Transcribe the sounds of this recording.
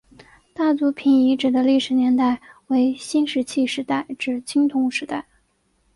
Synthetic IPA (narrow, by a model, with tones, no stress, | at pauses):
t̪a˥˩t͡su˧˥pʰi˨˩ni˧˥ʈ͡ʂɻ̩˨˩d̪ə˦li˥˩ʂɻ̩˨˩njɛ˧˥nt̪a˥˩ɪwe˧˥ɪɕi˥nʂɻ̩˧˥t͡ɕʰi˥˧ʂɻ̩˧˥t̪a˥˩ɪʈ͡ʂɻ̩˨˩t͡ɕʰi˥ŋt̪ʰʊ˧˥ŋʂɻ̩˧˥t̪a˥˩ɪ